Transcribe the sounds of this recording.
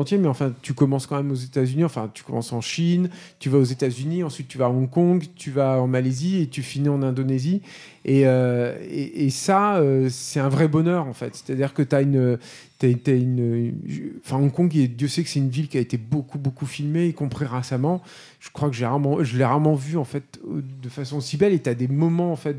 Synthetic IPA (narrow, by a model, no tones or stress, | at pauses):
ɑ̃t̪jemɛɑ̃fɛ̃t̪ykɔmɑ̃skɑ̃mɛmozet̪azyniɑ̃fɛ̃t̪y̥kɔmɑ̰̃sɑ̃ʃint̪yvaozet̪azyniɑ̃sɥit̪ːyvaːɔ̃kɔ̃ɡt̪ʰyvaɑ̃maleziet̪yfinɑ̃nɛ̃d̪onezi | eøḛʔesaøsɛt̪ɛ̃vʁɛbɔnœːʁɑ̃fɛ̰t̪se̥t̪ad̪iʁkət̪yaynø | t̪yat̪yaynøʒɑ̃fɛ̃ɔ̃kɔ̃ɡed̪jøsɛkəsɛt̪ynvilkʲiaet̪ebokubokufilmeikɔ̃pχiʁesamɑ̃ | ʒ̥ə̥kχwakəʒəeʁaʁmɑ̃ʒəleʁaʁmɑ̃vyɑ̃fɛt̪d̪əfasɔ̃sibɛlet̪yad̪emɔmɑ̃ɑ̃fɛt̪̚